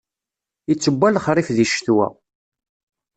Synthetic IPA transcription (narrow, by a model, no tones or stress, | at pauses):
it͡sːəbːælχɾˤifðiʃθwæ̰